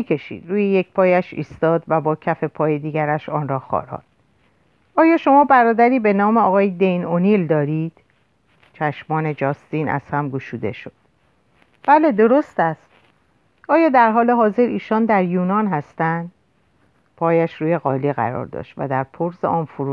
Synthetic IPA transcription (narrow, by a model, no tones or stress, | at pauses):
ikʰeʃḭːd̪̥ɾuːjejecpʰɒːjæʃḭːst̪ɒːd̪væbɒːcʰæfe̞pʰɒːjed̪iːɡæɾæʃɒːnɾɒːxɒ̰ːɾɒ̰ːd̪̥̚ | ɒːjɒːʃo̞mɒːbæɾɒːd̪æɾiːbe̞nɒːmeɒːɣɒːjed̪e̞jnonild̪ɒːɾiːd̪̥ | t͡ʃʰæʃmɒːne̞d͡ʒɒːst̪iːnʔæ̰z̥hæmɡuʃuːd̪e̞̰ʃo̞d̪̥ | b̥æle̞d̪o̞ɾo̞st̪æst̪ | ʔɒːjɒːd̪æɾɦɒːle̞ɦɒːze̞ɾʔiːʃɒːnd̪æɾjuːnɒːnɦæst̪ænd̪ | pʰɒːjæʃɾuːje̞ɣɒːliɣæ̰ɾɒ̰ːɾd̪ɒ̰ːʃt̪væ̰d̪æɾpʰoɾzḛʔɒːnfuɾu